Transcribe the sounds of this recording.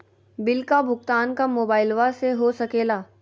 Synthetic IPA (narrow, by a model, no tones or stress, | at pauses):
bɪlkabʱʊkt̪aːnkamoːbaːɪlʋaseɦosɐkeːlaː